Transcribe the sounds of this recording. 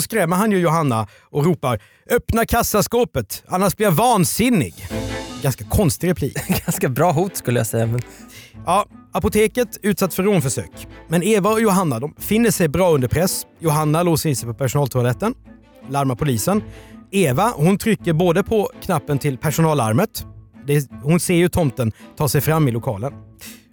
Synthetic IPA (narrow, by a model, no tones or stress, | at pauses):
sɔskɾɛmːəɾɦhanjɵjʊɦanːa | ɔɾuːpaɾ | œpnaɾkʰasːaskoːpət̪anːaʂblɪɾjavɑːnsɪnːɪ̰ɡɡanskakʰɔnst̪ɪɡɾɛpʰlḭːkɡanskabɾɑːɦuːt̪skɵlːəja̰sɛjːamɛnjɑːapʊt̪ʰeːkət̪ʉ̟t̪sat̪ːfœɾoːnfœʂø̰ːkmɛneːvaɔjʊɦanːad̪ɔmfɪnːəʂɛjbɾɑːɵnd̪əɾpʰɾɛsjʊɦanːaloːsəɪnsɛjpʰɔpʰæʂʊnɑːlt̪ʰʊalɛt̪ːən | laɾmapʰʊliːsəneːvahʊnt̪ʰɾʏkːəɾboːd̪əpʰɔkʰnapːənt̪ʰɪlpʰæʂʊnɑːla̰ɾmət̪d̪ɛhʊnseːɾjɵt̪ʰɔmt̪ənt̪ʰɑːʂɛjfɾamːɪlʊkʰɑːlən